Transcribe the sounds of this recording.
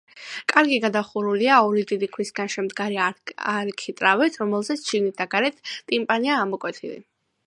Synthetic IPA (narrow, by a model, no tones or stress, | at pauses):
kʼaɾɡiɡad̪aχuɾuliaɔɾid̪id̪ikʰɾisɡanʃɛmd̪ɡaɾiaɾkʰit̪ʼɾavɛt̪ʰɾɔmɛlˠzɛt̪sʰʃiɡnit̪̚d̪aɡaɾɛt̪ʰt̪ʼimpʼaniaːmɔkʼwɛt̪ʰilḭ